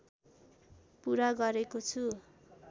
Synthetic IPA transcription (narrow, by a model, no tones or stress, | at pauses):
puɾaɡʌɾekot͡sʰu